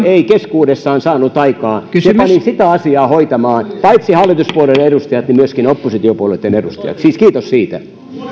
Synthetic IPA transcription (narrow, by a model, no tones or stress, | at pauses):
eikeskuːdesːɑːnsɑːnut̪ɑikɑːsiepɑninsit̪æɑsiɑːhoit̪ɑmɑːnpɑit̪sihɑlːit̪uspuoleleɾust̪ɑjɑt̪nimyøskinopːosit̪iopuolet̪ːenedust̪ɑ̰jɑ̰t̪siːskiːt̪ossiːt̪æ